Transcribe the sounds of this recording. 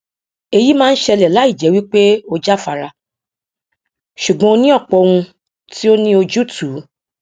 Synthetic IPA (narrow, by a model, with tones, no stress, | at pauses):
e˧ji˦mãː˦ñ̩˦ʃɛ˧lɛ˨la˨˦i˦˨d͡ʒɛ˨˦wi˦k͡pe˦o˧d͡ʒa˦˨fa˧ɾa˧ | ʃu˨ɡ͡bɔ̃˨˦o˧nĩ˦ɔ˦˨k͡pɔ˧w̃ũ˧ | ti˦o˦nĩ˦o˧d͡ʒu˦tʰuː˨˦